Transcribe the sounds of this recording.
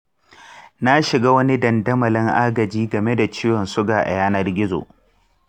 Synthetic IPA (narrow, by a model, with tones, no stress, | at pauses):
na˦ʃɪ˨ɡaː˦wɐ˦ni˦dɐ˨ndɐ˦mɐ˨lɐ˦ŋʔa˦ɡɐ˨d͡ʒiː˦ɡɐ˨me˦da˨t͡ʃiː˦wɔ˨nsʊ˦ɡaː˨ʔa̰˨jaː˦nɐ˦rɡʲɪ˦zo̰˨